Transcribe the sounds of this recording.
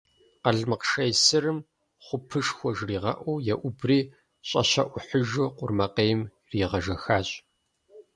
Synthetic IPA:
qɐɮmɨqʃɐjsɨrɨm | χʷʊpʰɨʂxʷɔʒriːʁɐ̰ʔʷɔwjɛʔʷʊbriː | ɕʼɐ̰ɕɐʔʷʊħəʒoqʷʊrmɐqeːjm | riːʁɐʒɐxaːɕʼ

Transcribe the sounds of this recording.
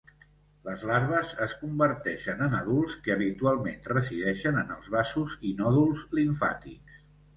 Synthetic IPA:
ləzlaɾβ̞əzəskumbəɾt̪ɛʃənənəðulˠskəːβ̞it̪ualˠmenrəsiðɛʃənənəlˠzβasuzinɔðulˠzliɱfa̰t̪ḭks

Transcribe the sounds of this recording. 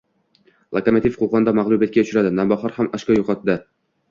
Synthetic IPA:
lˠakonat̪ifqʰoʁɑnd̪ɒmaʁlˠubjat̪̚kʲaʊt͡ʃʰɾad̪ɪnambɒχɑɾhamɒʃkʲɑjoqɑt̪̚d̪ɪ

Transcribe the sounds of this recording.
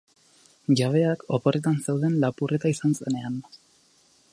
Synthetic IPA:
ʝaβ̞e̞ako̞po̞re̞t̪anse̞wðe̞nlapurʔe̞t̪aisanse̞ne̞an

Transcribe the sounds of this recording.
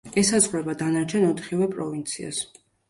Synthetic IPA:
ɛsazʁɾɛbad̪anaɾt͡ʃʰɛnɔt̪ʰχivɛpʼɾɔvint̪sʰia̰s

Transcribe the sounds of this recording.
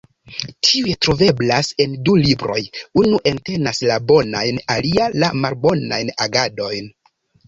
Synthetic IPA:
tʰiujetɾo̞ve̞blase̞ndulibɾo̞̰junuʔe̞nte̞naslabo̞najnalialamalbo̞najnaɡado̞jn

